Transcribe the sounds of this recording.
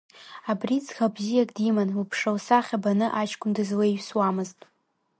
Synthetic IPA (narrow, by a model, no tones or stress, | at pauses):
abrit͡sʰxabzijakʼdimanupʰʂawsaχʲabanɨʔat͡ʃʰkʷʰʼʊndɨzleɥswamɨztʼ